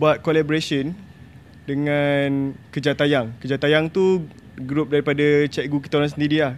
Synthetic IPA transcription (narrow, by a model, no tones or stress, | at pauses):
buat̪̚kolaboɾesən | dəŋankəd͡ʒat̪ajaŋkəd͡ʒat̪ajaŋt̪u | ɡɾup̚daɾipadat͡ʃɛk̚ɡuk̬i̥t̪aoɾaŋs̬əndiɾia